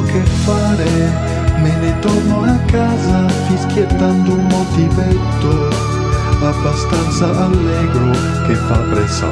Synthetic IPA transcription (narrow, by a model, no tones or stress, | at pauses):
kefaɾe | menet̪oɾnoakazad̪iskjet̪and̪ouŋmot̪ibɛt̪o | babast̪ansaʔalːɛɡɾo | kefapɾesa̰